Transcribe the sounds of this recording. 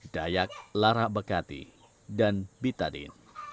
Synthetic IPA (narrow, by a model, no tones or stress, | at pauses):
dajak̚laɾaʔbəkat̪ḭ | danbit̪adḭn